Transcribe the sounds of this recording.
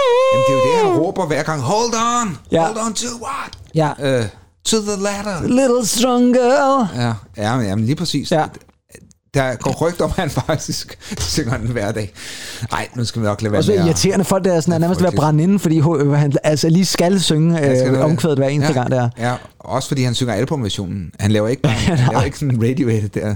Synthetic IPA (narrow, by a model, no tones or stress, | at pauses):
dnd̥ed̥eʁɔːb̥ɐʋæɐɡ̥ɑ̈ŋɦɔld̥ɒnjld̥ɒnt͡sʰuwɑd̥jæ | t͡sʰuðəlæɾəlɪɾ̥l̩ˠsd̥ʁɒŋɡ̥ɜlæjæjæmnliːpʰʁɛsḭːsj | d̥ɑɡ̥ɒ̰ʁœɡ̥̚d̥ɒmhænfɑɡ̥̚d̥isɡ̥søŋɐnʋæɐ̰d̥ɛ̰ːɑ̈ɪ̰nusɡ̥æʋinɒɡ̥lɛːʋsiɐt͡sʰe̝̰ːɐnəfɒ̽l̰ɡ̥d̥ɑsɒnæɐnæɐməsd̥ʋeɐb̥ʁɑnen̩fɒd̥ḭːɦohænælsəliːsɡ̥ælsøŋəøɒmʰʋeð̩ˠdˠʋæɐe̝ːnd̥əɐɡ̥ɑ̈ŋ̰d̥æɐæ | ɒ̽səfɒd̥ḭːhænsøŋɐælbʰɒmʋæɐɕo̰ːnn̩hænlɛːʊɐe̝ɡ̥ɐe̝ɡ̥sɔnʁed̥ioed̥d̥eɐ